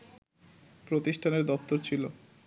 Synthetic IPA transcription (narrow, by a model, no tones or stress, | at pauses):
pɾot̪iʃʈʰaneɾd̪ɔpt̪oɾt͡ɕʰilo